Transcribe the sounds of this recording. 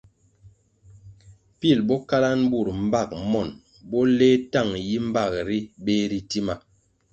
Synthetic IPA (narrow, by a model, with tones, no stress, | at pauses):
pi˦˨lbɔ˦ka˦la˦nbu˦˨ɾm̩˦ba˦˨k̚mɔ˨n | bɔ˦le˦ta˦˨ŋji˦m̩˦ba˦˨k̚ɾi˦ɓe˦ɾi˨ti˦ma˨